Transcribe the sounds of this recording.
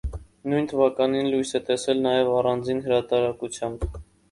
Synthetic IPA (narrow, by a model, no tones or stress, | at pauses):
nujnt̪ʰəvɑkɑninlujsɛt̪ɛsɛlnɑjɛvɑrɑnd͡zinɦəɾɑt̪ɑɾɑkut͡sʰjɑmb